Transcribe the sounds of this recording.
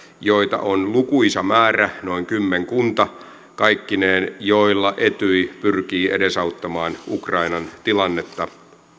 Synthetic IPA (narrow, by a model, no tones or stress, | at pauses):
joit̪ɑ̰ʔonlukuisɑmæːræno̞iŋkymːeŋkunt̪ɑ | kɑikːineːnjoilːɑʔet̪yipyrkiːʔḛdesɑut̪ːɑmɑːnukrɑinɑnt̪ilɑnːet̪ːɑ